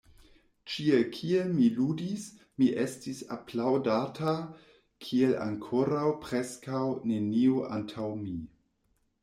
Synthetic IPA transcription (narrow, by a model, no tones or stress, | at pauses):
t͡ʃielkʰielmiludis | miʔe̞stisa̰plawdatʰa | kʰie̞la̰ŋkʰo̞ɾawpɾeskawne̞nioʔa̰ntʰawmi